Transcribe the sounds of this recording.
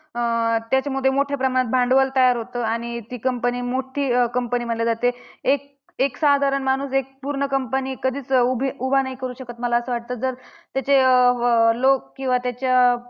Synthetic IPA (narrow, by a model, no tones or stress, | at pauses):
t̪jat͡ɕamud̪ʱːjemoʈʰjapɾəmaɽ̃ət̪̚bʱaɳɖʋəlt̪əjaɾɦot̪əːaɽ̃it̪iːkəmpəniːmoʈʰiːkəmpəniːm̤əɖljad͡zat̪eek̚ | eksad̪ʱaɾəɳmañuːsek̚puɾɳəkəmpəniːkəd̪ʱiːt͡subʱubʱanaɦikəɾuːɕəkət̪məlaəsəːʋaʈ̚t̪əːd͡zəɾt̪jat͡ɕe | lok̚kːĩw̃ʋat̪jat͡ɕja